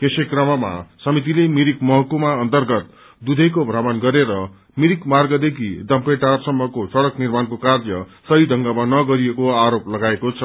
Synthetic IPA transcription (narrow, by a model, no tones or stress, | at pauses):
kesekrʌmʌma̰sʌmit̪̬ilemiɾikmʌɦʌkumaʌnt̪ʌrɡʌt̪̚ | d̪ud̪ʱʌjkobʱrabʌnɡʌɾeɾʌ | miɾikmarɡʌd̪ekʰid̪ʌmpeʈarsʌmːʌkosʌɽʌknirmankokard͡zʌsʌid̪ʱʌŋɡamanʌɡʌɾiekoaɾoplʌɡaekot͡sʰʌ